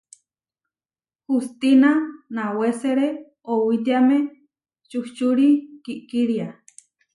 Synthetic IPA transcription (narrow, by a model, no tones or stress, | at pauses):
hust̪inanaweseɾe | owit̪̬iame | t͡ʃuht͡ʃuɾikiʔkiɾia